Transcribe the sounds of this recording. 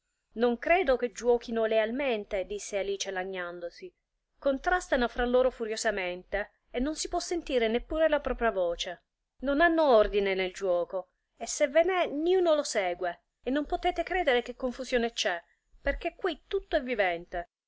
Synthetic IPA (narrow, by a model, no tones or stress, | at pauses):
noŋkɾɛːd̪ok̟ed͡ʒwɔːkinolealment̪ed̪isːealiːt͡ʃelaɲːand̪osi | kont̪ɾast̪anofɾalːoːɾofuɾjozament̪e | enːonsipwɔsːent̪iːɾenepːuːɾelapɾɔːpɾjavoːt͡ʃe | nonanːoord̪ineneld͡ʒuwɔːko | esːevenɛniuːnolosɛːɡweː | nːompot̪ɛːt̪ekɾɛːd̪eɾek̟ekːoɱfuzjoːnet͡ʃɛ | perk̟ekːwit̪ut̪ːoɛvːivɛnt̪e